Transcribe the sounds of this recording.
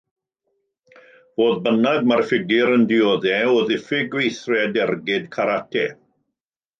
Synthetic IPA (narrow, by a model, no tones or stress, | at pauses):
v̥oːðbənadmarfɪɡɪɾəndɪoːðɛoðɪfɪɡwejθrɛdɛrɡɪdkʰaɾatʰɛ